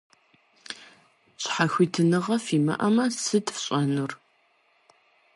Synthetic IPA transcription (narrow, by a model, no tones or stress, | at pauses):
ɕʼħaxʷitʰɨnɨʁɐfiːmɐ̰ʔɐmɐsɨtʰfɕʼɐnur